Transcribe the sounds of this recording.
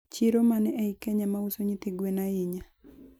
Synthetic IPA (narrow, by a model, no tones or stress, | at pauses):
t͡ʃiɾomanɛʔɛikɛɲamausoɲit̪eɡwenaiɲa